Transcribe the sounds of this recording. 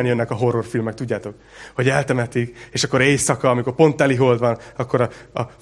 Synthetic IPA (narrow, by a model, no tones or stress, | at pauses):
ɛnjønːɛkɒɦo̞rːo̞rfilmɛk̚t̪uɟːaːt̪o̞k | ho̞ɟɛlt̪ɛmɛt̪ikeːʃɒkːo̞ɾeːsɒkɒːmiko̞rpo̞nt̪ːɛliɦo̞ld̪ʋɒnɒkːo̞ɾɒɒ